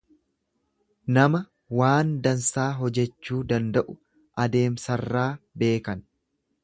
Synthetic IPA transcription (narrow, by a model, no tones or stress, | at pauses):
nɐmɐ | waːnd̪ɐnsaːɦɔd͡ʒɛt͡ʃːuːd̪ɐnd̪ɐʔʊ | ʔɐd̪e̞ːmsɐrːaːbe̞ːkɐn